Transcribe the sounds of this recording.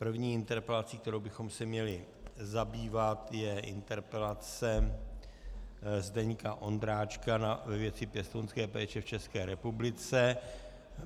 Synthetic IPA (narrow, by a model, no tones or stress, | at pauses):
pr̩vɲiːɪnt̪ɛɾpɛlat͡siːkt̪ɛɾowbɪxo̞msɛmɲɛlɪ | zabiːvat̪jɛʔɪ̰nt̪ɛɾpɛlat͡sɛ | zdɛɲkaʔo̞nd̪ɾaːt͡ʃkanavɛvjɛt͡sɪpjɛst̪onskɛːpɛːt͡ʃɛft͡ʃɛskɛːɾɛpublɪt͡sɛ